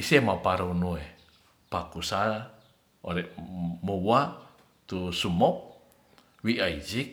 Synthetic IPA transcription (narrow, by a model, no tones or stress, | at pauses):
isemapaɾuunue | pakusala | o̰ɾɛʔmuwwa | t̪usumɔp̚ | wiʔaid͡ʒik̚